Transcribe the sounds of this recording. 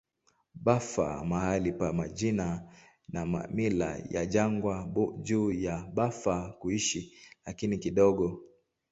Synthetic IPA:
ɓafa̰mahalipamaʄina | namamila̰ja̰ʄaŋɡwad͡ʒuːjaɓafakuiʃilakinikiɗɔɡɔ

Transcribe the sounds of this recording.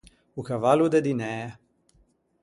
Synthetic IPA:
ukavalud̪ɛd̪inɛ

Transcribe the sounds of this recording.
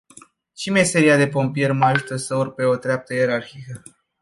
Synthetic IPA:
t͡ʃimese̞ɾiad̪e̞po̞mpije̞rmaʒut̪əsəurpe̞o̞t̪ɾeap̚t̪əjeɾarxikə

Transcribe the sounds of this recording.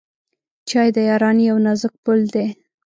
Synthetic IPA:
t͡ʃɑjd̪əjɑɾɑnjawnazək̚pʊld̪e

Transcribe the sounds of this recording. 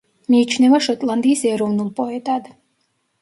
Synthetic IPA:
miːt͡ʃʰnɛvaʃɔt̪ʼlˠand̪iːsɛɾɔvnulˠpʼɔɛt̪ʼad̪

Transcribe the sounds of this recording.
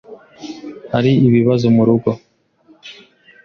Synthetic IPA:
haɾiiβiβazomuɾuɡo̞

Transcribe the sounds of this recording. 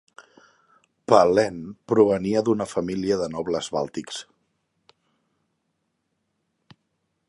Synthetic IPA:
palɛnpɾuβ̞əniəðunəfəmiliəðənɔβləzβa̰lˠt̪iks

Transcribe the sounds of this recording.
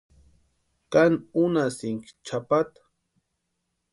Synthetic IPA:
kanunasɪŋkt͡ʃʰapat̪ḁ

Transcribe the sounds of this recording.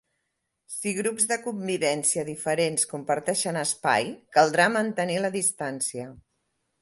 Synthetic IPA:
siɣɾupzðəkumːiβɛnsiəðifəɾenskumpəɾt̪ɛʃənəspa̰jkəlˠd̪ɾamənt̪əniləðist̪ansiə

